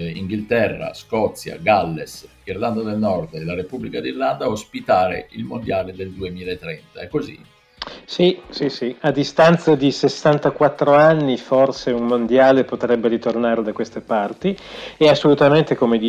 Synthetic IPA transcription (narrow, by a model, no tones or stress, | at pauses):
ḭŋɡilt̪ɛrːa̰skɔt̪sːja̰ɡalːes | irland̪ad̪elnɔrd̪elaɾepubːlikad̪irland̪aospit̪aːɾḛilmond̪jaːled̪eld̪uemiːlaet̪ːɾɛnt̪aɛkːozḭ | sisisiad̪ːist̪ant̪sad̪isesːant̪akwat̪ːɾoanːiforseummond̪jaːlepot̪ɾɛbːeɾit̪ornaːɾed̪akwest̪epart̪ieasːolut̪ament̪ekomed̪i